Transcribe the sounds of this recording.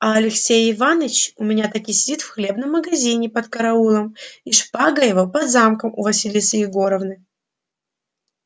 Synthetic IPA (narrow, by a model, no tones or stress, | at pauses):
ɐɐlʲɪksʲejɪvanət͡ɕʊmʲɪnʲat̪ɐkʲisʲɪdʲit̪fxlʲe̞bnəmːəɡɐzʲinʲɪpət̪kɐɾɐulˠəmiʂpaɡəjɪvopɐd̪zamkəmʊ̰vɐsʲilʲɪsʲɨɪɡoɾəvnɨ